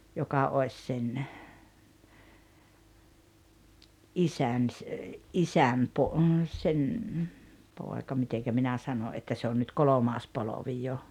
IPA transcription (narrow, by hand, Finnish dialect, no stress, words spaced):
jokɑ oes sen ʔisæn s ʔisæm po sen poˑekɑ miteŋkæ minæ ʔsɑno ʔetːæ se on nyt kolomɑːs poloʋi jo